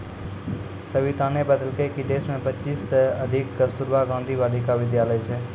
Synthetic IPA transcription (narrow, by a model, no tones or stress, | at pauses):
səʋit̪ãːnebəd̪əlkəkid̪eːsmẽpət͡ʃiːsəəd̪ʱɪkɡəst̪uɾʋaɡãːnd̪ʱiʋaːlikaʋɪd̪jaːləjt͡ʃʰeː